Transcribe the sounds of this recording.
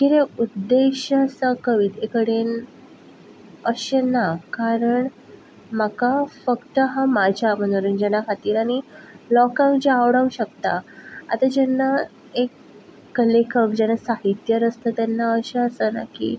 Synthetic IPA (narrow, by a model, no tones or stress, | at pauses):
kiɾeud̪ːeɕasakəʋiːt̪ekəɽen | əɕenakaɾəɳ | m̤akafəkt̪əɦamad͡ʑʱjam̤əñoɾənd͡ʑənakʰat̪iːɾaɽ̃ilɔkãŋkd͡ʑiaʋɽəũɕəkt̪aa̰t̪ad͡ʑɛnːa | ekː | əlekʰəkd͡ʑɛnasaɦit̪jəɾəst̪ʰət̪ɛnːaəɕeəsəna̰kḭː